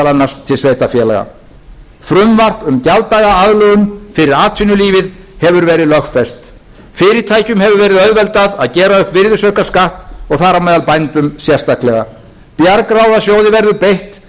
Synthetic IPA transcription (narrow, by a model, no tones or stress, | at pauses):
alanːaɾ̥st̪ʰɪlsveːjt̪afjɛːla̰ɣa̰ | fɾʏmvar̥pʏmcalt̪aɣaaðlœɣʏmfɪɾɪɾaːt̪ʰinʏliːvɪð | hɛvʏɾvɛːɾɪðlœxt̪fɛst̪ | fɪːɾɪɾ̥t̪ʰaːjcʏmhɛvʏɾvɛːɾɪðœðvɛlt̪aðaðcɛːɾaʏhpvɪɾðʏsœkaskaht̪ɔɣθaːɾamɛːðalpajnt̪ʏmsjɛr̥st̪ak̪lɛɣa | pjaɾkɾawðasjoːwðɪvɛɾðʏpejht̪